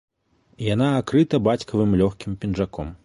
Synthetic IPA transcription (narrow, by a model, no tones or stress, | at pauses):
jan̪aːkɾɨt̪ɐbat͡sʲkʰɐvɨmlʲɔxkʲimpʲinʐakɔ̰m